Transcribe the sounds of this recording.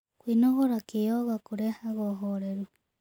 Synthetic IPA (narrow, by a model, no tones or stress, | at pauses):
kwinoɣoɾakeoɣakuɾehaɣoɦoɾeɾu